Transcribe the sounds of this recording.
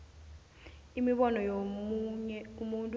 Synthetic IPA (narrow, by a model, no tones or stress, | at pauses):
imiɓɔnɔjo | ɛumuntʼ